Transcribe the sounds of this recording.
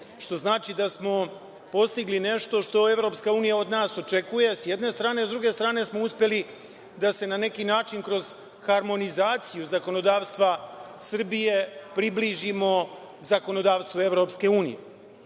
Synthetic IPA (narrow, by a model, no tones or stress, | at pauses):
ʃt̪o̞znaːt͡ʃid̪asmo̞ | po̞st̪iɡline̞ʃt̪o̞ʃt̪o̞e̞ʋɾo̞pskauːnijao̞d̪naːso̞t͡ʃe̞kuje̞sjed̪ne̞st̪ɾaːne̞zd̪ɾuɡe̞st̪ɾaːne̞smo̞uspje̞li | d̪ase̞nane̞kinaːt͡ʃinkɾo̞z̥ | xaɾmo̞nizaːt̪sijuzako̞no̞d̪aːʋst̪ʋasr̩bije̞pɾibliʒimo̞ | zako̞no̞d̪aːʋst̪ʋoe̞ʋɾo̞pske̞uːnijḛ